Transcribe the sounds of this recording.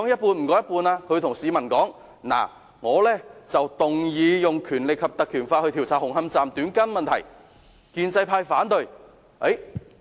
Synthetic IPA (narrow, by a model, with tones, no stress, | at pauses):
ɔ˨˥ŋjɐ˥t̚puː˧nm̩˨˩kɔː˨˥jɐ˥puː˧naː˧kʰɵ˨˧t̪ʰʊ˨˩ŋsiː˨˧mɐ˨˩nkɔː˨˥ŋ | na̰ː˨˩ | ŋɔː˨˧lɛː˥t͡sɐ˨wt̪ʊ˨ŋjiː˨˧jʊ˨ŋkʰyː˨˩nlɪ˨kʰːɐ˨p̚t̪ɐ˨kʰyː˨˩nfaː˧hɵ˧t̪ʰi˨˩wt͡sʰaː˨˩hʊ˨˩ŋhɐ˧mt͡saː˨mt̪yː˨˥nkɐ˥nmɐ˨nt̪ʰɐ̰˨˩j | kiː˧nt͡sɐ˧jpʰaː˧jfaː˨˥nt̪ɵ˨˧ɥ | e˨˥